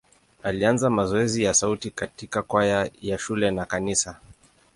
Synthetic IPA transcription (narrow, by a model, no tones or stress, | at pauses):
alianzamazɔɛzijasautikatikakwajajaʃulɛnakanisa